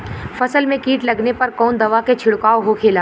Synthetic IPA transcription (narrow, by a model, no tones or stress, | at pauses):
fɐsəlmẽkiːʈlɐɡnepɐɾkɔːnd̪ɐʋaket͡ʃʰɪɽkaːoɦokʰeːlaː